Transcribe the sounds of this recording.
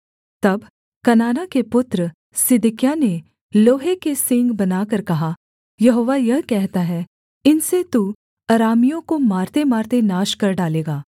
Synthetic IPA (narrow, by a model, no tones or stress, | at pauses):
t̪ɐb | kɐnaːnakepʊt̪ɾə | sɪd̪ɪkɪjane | loːɦekesɪ̃ŋɡbɐnaːkɐɾkɐɦa | jɐɦoːʋajɐɦkɛɦt̪aɦɛ | ɪnset̪u | ɐɾaːmijõkomaːɾt̪emaːɾt̪enaːʃkɐɾɖaːleːɡaː